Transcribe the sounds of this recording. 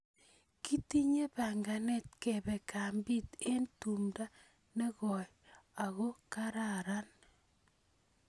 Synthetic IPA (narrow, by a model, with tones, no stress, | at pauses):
ki˦ti˦ɲe˦pa˨ŋɡa˨nɛ˦t̚kɛ˨bɛ˨ka˨mbi˦te˦ntu˨mda˦ | ne˦kɔ˨j | a˨ɣo˦ka˦ɾa˨ɾa˦n